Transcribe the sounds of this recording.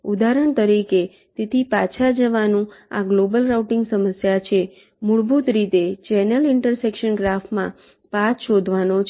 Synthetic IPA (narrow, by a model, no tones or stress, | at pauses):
ud̪aɾəɳ̃t̪əɾike | t̪et̪ʰipat͡ʃʰad͡ʒəʋanũa̰ɡlobəlɾawʈɪŋɡsəməsjat͡ʃʰe | muɭbut̪ɾit̪et͡ʃɛnəlɪɳʈəɾsekʃənɡɾafʈmã̰ | patʃod̪ʱʋanot͡ʃʰ